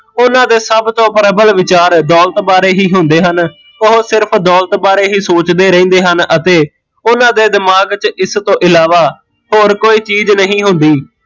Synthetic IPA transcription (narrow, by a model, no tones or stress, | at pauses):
ʊnãːd̪eːsəbt̪õːpɾəbəlʋɪt͡ʃaːɾd̪ɔːlt̪baːɾeːɦiːɦʊnd̪eːɦən | ʊɦsɪɾpʰd̪ɔːlt̪baːɾeːɦiːsoːt͡ʃd̪eːɾəĩːnd̪eːɦənət̪eː | ʊnãːd̪eːd̪ɪmaːɡt͡ʃɪst̪õːʔɪlaːʋaː | ɦoːɾkoːiːt͡ʃiːznəɦĩːɦʊ̃nd̪iː